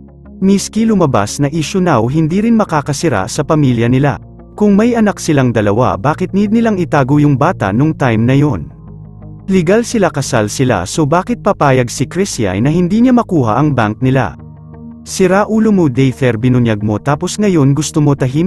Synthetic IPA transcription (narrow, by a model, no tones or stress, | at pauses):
miskilʊmɐba̰snɐʔɪʃʊnawɦɪnd̪iːɾɪnmɐkaːkɐsɪɾa̰sɐpɐmiljɐnɪla̰ | kʊŋmɐjʔɐnak̚sɪlaŋd̪ɐlɐ̰wa̰baːkɪt̪̚nid̪̚nɪlaŋɪt̪aːɡojʊŋbaːt̪ɐ̰noŋt̪ajmnɐjo̞n | lɪɡalsɪlakɐsalsɪla̰sobaːkɪt̪̚pɐpaːjɐɡsɪkɾisja̰jnɐhɪnd̪iːɲamɐkuːɦɐ̰ʔɐŋbaŋk̚nɪla̰ | sɪɾaʔuːlomod̪ɛjt̪ɛɾbɪnʊnjɐɡ̚mo̞t̪aːposŋɐjo̞nɡʊst̪omo̞t̪ɐɦim